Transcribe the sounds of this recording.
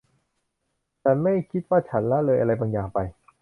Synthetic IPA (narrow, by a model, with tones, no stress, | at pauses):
t͡ɕʰa˦˥nma˥˩jkʰi˦˥t̪̚waː˥˩t͡ɕʰa˦˥nla˦˥lɤː˧jʔa˧ɾa˧jbaː˧ŋjaː˨˩ŋpa˧j